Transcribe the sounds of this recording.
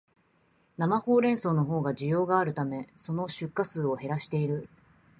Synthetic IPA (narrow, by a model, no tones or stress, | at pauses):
namaho̞ːɾẽ̞ɰ̃so̞ːno̞ɦo̞ːɡaʑijo̞ːɡaːɾɯ̟t̪ame̞so̞no̞ɕɨkːasɨːo̞he̞ɾaɕi̥t̪e̞iɾɯ̟